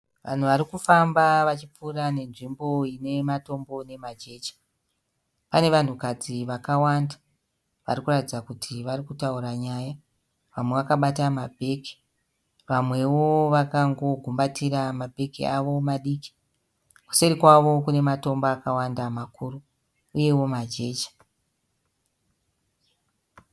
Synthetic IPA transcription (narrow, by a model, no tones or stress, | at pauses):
ʋa̰n̤uʋaɾikufambaʋat͡ʃip͡furane̞nʐimbo̞ine̞mato̞mbo̞ne̞mad͡ʒe̞t͡ʃi̥ | pane̞ʋan̤ukad͡ziʋakawanda | ʋa̰rikuratid͡zakutʰiʋarikutauɾaɲaja | ʋamwe̞ʋakaɓatamabʱe̞ki̥ | ʋamwe̞wo̞ʋakaŋɡo̞ɡʱumbatiɾamabʱe̞kḭaʋo̞maɗiːki̥ | ku̥seɾikwaʋo̞kune̞mato̞mbaːkawandamakuːru | uje̞wo̞mad͡ʒe̞ːt͡ʃḁ